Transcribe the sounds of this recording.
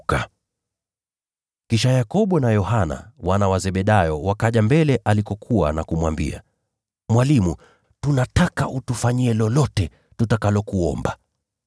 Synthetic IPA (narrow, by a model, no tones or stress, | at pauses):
ka | kiʃajakɔɓɔnajɔhana̰wanawazɛɓɛɗajɔwakaʄambɛlɛʔalikɔkʰuwa̰nakumwambḭa̰ | mwalimu | tunatakaʔutufaɲiɛlɔlɔtɛ | tutakalɔkuɔ̰mba